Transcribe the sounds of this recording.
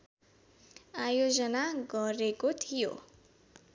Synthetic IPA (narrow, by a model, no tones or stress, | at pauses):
ajod͡zʌnaɡʌɾekot̪ʰijo̰